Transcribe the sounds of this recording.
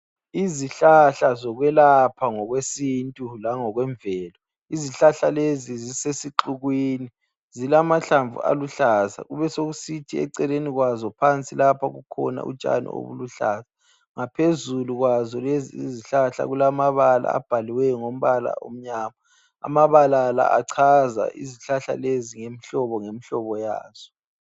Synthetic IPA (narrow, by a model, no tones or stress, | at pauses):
iziɬaɬazɔɣwɛlapʰaŋɔɣwesintʼulaŋɔɣwɛɱbvɛːlɔ | iziɬaɬalezizisesiǃuɣwini | zilamaɬaɱvṵʔa̰luɬaza̰ɣuβɛsoɣusitʰiɛ̰ǀɛleniɣwazɔpʰant͡sʼilapʰaɣukʰɔna̰ʔṵt͡ʃʼa̰nḭo̰βṵluɬaːza | ŋapʰezuluɣwazɔlezḭːziɬaɬa̰ɣulamaβala̰ːb̥ʱaliwɛŋom̩βala̰o̰m̩ɲaːma | a̰maβalala̰ʔa̰ǀʰaza̰ʔḭziɬaɬa̰leziŋemiɬɔβɔŋemiɬɔβɔja̰ːz̥ɔ